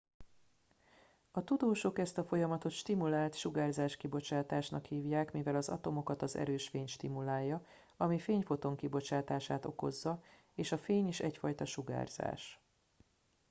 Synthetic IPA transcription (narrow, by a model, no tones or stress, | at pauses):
ɒt̪ud̪oːʃo̞kɛst̪ɒfo̞jɒmɒt̪o̞t̪ʃt̪imulaːlt̪ʃuɡaːrzaːʃkibo̞t͡ʃaːt̪aːʃnɒkhiːvjaːkmivɛlɒzɒ̰t̪o̞mo̞kɒt̪ɒzɛ̰ɾøːʃfeːɲʃt̪imulaːjːɒ | ɒmifeːɲfo̞t̪o̞ŋkibo̞t͡ʃaːt̪aːʃaːt̪o̞̰ko̞̰zːɒ | eːʃɒfeːɲiʃɛ̰cfɒjt̪ɒʃuɡa̰ːrz̥a̰ːʃ